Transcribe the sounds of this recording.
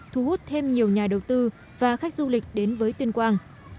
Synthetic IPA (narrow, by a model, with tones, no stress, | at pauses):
t̪ʰu˨˧hu˦˥t̚t̪ʰe˧mɲi˨˩əwɲaː˨˩ɗə˨˩wt̪ɨ˧ | vaː˨˩xa˦˥k̟̚zu˧lï˨˩k̟̚ɗe˨˦nvəː˨˦jt̪wi˧nkwaː˧n